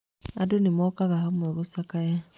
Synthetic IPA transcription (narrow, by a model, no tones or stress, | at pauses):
adonemɔːkaɣahamwɛɣosakaja